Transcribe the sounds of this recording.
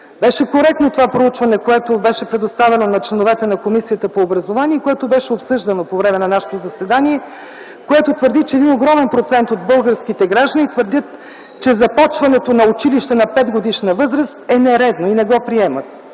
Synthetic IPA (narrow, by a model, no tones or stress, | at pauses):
bɛʃɛkoɾɛk̚t̪not̪ovapɾout͡ʃvɐnɛkoɛt̪obɛʃɛpɾɛd̪ost̪avɛnonɐt͡ʃlɛnovɛt̪ɛnɐkomisiət̪əpoːbɾɐzovaniɛikoɛt̪obɛʃɛopsɤʒd̪ɐnopovɾɛmɛnɐnaʃɛ̥t̪ozɐsvɛd̪aniɛ | koɛt̪ot̪vəɾd̪it͡ʃɛd̪inoɡɾɔmɛnpɾot̪sɛnt̪od̪̚bɤlˠɡəɾskit̪ɛɡɾaʒd̪ənit̪vəɾd̪ʲət̪ | t͡ʃɛzɐpɔt͡ʃvɐnɛt̪onɐʊt͡ʃiliʃt̪ɛnɐpɛd̪ɡod̪iʃnəvɤzɾəst̪ɛnɛɾɛd̪noinɛɡɔpɾiɛmət̪̚